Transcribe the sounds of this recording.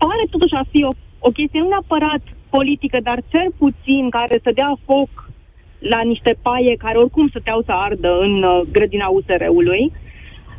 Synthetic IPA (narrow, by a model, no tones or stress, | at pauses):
paɾe̞t̪o̞t̪uʃʲafio̞ | o̞kʲe̞st̪ijenuneapəɾat̪po̞lit̪ikəd̪art͡ʃe̞rput̪sinkaɾe̞səd̪eafo̞k | laniʃt̪e̞paje̞kaɾe̞o̞rkumsət̪eawsəard̪əɨnɡɾəd̪inause̞ɾe̞̰uluj